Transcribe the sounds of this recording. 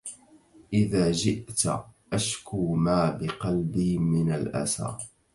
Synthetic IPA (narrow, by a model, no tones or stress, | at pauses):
ʔɪðaːd͡ʒɪʔt̪ʔaʃkuːmaːbɪqɑlbiːmɪnalʔa̰sa̰ː